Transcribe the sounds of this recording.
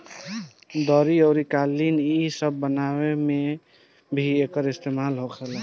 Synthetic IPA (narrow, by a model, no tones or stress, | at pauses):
d̪ɔɾiəːɾikalːinisəbːənaweme | bʱiekəɾist̪emalɦokʰɛla